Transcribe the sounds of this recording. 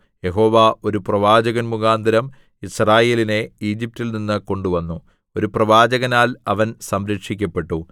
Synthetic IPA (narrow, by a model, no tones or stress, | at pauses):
je̞ɦo̞ːʋaːo̞ɾuprɐʋaːd͡ʑɐɣɐnmuɣaːnd̪ʱɐɾɐm | israːje̞ːline̞iːd͡ʑip̚tilninːɨko̞ɳɖuʋɐnːu | o̞ɾuprɐʋaːd͡ʑɐɣɐnaːlɐʋɐnsɐmɾɐkʂikʲːɐpːe̞ʈːu